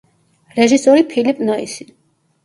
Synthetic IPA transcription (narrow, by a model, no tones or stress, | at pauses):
ɾɛʒisɔɾipʰilipʼnɔisi̥